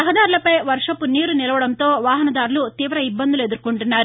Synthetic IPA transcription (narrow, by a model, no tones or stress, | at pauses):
ɐɦɐd̪aːɾulɐpɐjʋɐɾʂɐpuniːɾunilɐʋɐɽɐnt̪o̞ːʋaːɦɐnɐd̪aːɾulut̪iːʋɾɐibːɐnd̪ule̞d̪uɾkuɳʈunːaːɾu